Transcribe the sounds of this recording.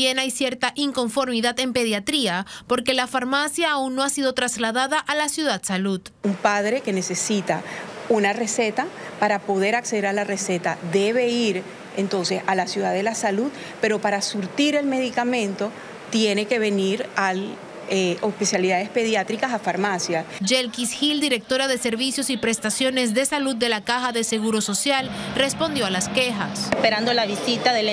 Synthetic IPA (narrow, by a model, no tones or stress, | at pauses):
e̞najsjeɾt̪aʔiŋko̞ɱfo̞ɾmiðaðe̞mpe̞ð̞jat̪ɾiapo̞ɾke̞lafaɾmasjaːunːo̞asiðo̞t̪ɾazlaðaðaʔalasjuðad̪saluð | umpaðɾe̞ke̞ne̞se̞sit̪aunare̞se̞t̪apaɾapo̞ðe̞ɾakse̞ðeɾalare̞se̞t̪ad̪e̞βe̞iɾ | e̞nt̪o̞nse̞salasjuðaðe̞lasaluð | pe̞ɾo̞paɾasuɾt̪iɾe̞lme̞ðikamẽ̞nt̪o̞ | t̪je̞ne̞ke̞βe̞niɾal | eospesjaliðaðe̞spe̞ðjat̪ɾikasafaɾmasjasd͡ʒelkisxild̪iɾe̞k̚t̪o̞ɾaðe̞se̞ɾβisjo̞sipɾe̞st̪asjo̞ne̞zðe̞salud̪̚ːe̞lakaxaðe̞se̞ɣuɾo̞so̞sjalre̞spo̞nd̪jo̞alaske̞xasespeɾand̪olaβisit̪aðel